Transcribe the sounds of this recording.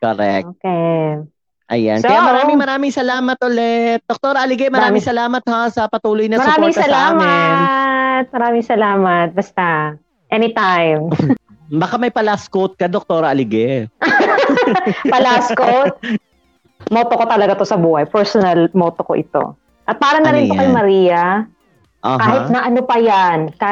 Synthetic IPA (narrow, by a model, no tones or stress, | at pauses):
koɾɛ̰k̚oːkɛ | ʔɐ̰ja̰nkɐjamɐɾaːmɪŋmɐɾaːmɪŋsɐlaːmɐt̪̚ʔolɛt̪̚d̪ok̚t̪oɾɐʔɐlɪɡɛmɐɾaːmɪŋsɐlaːmɐt̪̚hasɐpɐt̪uːlojnɐmɐsɾaːmɪŋsɐlaːmɪnt̪̚mɐɾaːmɪŋsɐlaːmɐt̪̚bɐst̪a | ʔɛnɪt̪ajm | bɐkamɐjpɐlaskot̪̚kɐd̪ok̚t̪oːɾɐɐlɪɡɛ | pɐlaskot̪̚ | moːt̪okot̪ɐlɐɡat̪o̞sɐbuːhɐjpɛɹsonɐlmoːt̪oko̰ʔɪt̪o̰ | ʔɐt̪̚paːɾɐnɐɾɪnp̪okɐjmɐɾiːjɐ | ʔokaːɦɪt̪nɐʔɐnopɐjanka